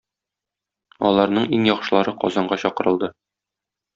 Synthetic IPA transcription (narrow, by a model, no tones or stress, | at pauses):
ɒ̰lˠɑɾnɤɴiŋjɒqʃɤ̆lˠɑɾɤqɒ̰zɑɴɢɑɕɒqɤ̆ɾɤ̆lˠd̪ɤ